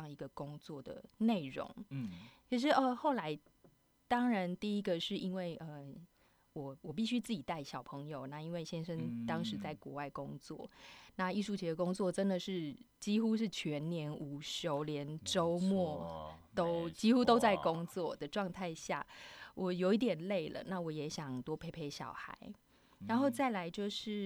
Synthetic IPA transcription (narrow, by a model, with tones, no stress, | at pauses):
ŋi˧˥ɡə˧kʊ˥ŋt͡swɔ˥˩d̪ə̰˩ne˥˩ɪɻo̰˧˥ŋt͡ɕʰi˧˥ʂ̬ɻ̩˥˩ʔə˧xo˥˩ʊla˧˦˥ɪ | t̪ɑ˥ŋɻa˧˦nt̪i˥˩i˥ɡə˨ʂɻ̩˥˩i˥nwe˥˩ɪʔə˨ | wɔ˨˩wɔ˨˩p̬i˥˩ɕy˥t͡sɹ̩˥˩t͡ɕi˨˩t̪a˥˩ɪɕjɑ˨˩ʊpʰɤ˧˦ŋjo˨ʊna˥˩i˥nwe˥˩ɪɕjɛ˥nʂə˧˥ŋt̪ɑ˥ŋʂɻ̩˨˧˦t͡sa˥˩ɪkwɔ˧˦wa˥˩ɪkʊ˦ŋt͡swɔ̰˥˩na˥˧i˥˧ʂu˥˩t͡ɕʰɛ˨˥d̪ə˨kʊ˥ŋt͡swɔ˥˩ʈ͡ʂə˥nd̪ə˨ʂɻ̩˥˩ | t͡ɕi˥xu˥˦ʂ̬ɻ̩˥˩t͡ɕʰɥɛ˧˦˥nnjɛ˧˥nu˨˩ɕo˧˥ʊljɛ˧˦nʈ͡ʂo˥ʊmwɔ˥˩t̪o˦˥ʊt͡ɕi˥xu˥˦t̪o˥ʊt͡sa˥˩ɪkʊ˦ŋt͡swɔ˥˩d̪ə˩ʈ͡ʂwɑ˥˧ŋt̪ʰa˥˧ɪɕja̰˥˩wʔɔ˨˩jo˧˥ʊi˥˩t̪̬jɛ˨˩nle˥˩ɪlə̰˩na˥˩wɔ˨˩jɛ˧˥ɕjɑ˨˩ŋt̪wɔ˥pʰe˧˥ɪpʰe˧˥ɪɕjɑ̰˨˩ʊxa̰˧˦ɪ | ɻa˨˧˦nxo˥˧t͡sa˥˩ɪla˧˥ɪt͡ɕjo˥˧ʊʂɻ̩˥˩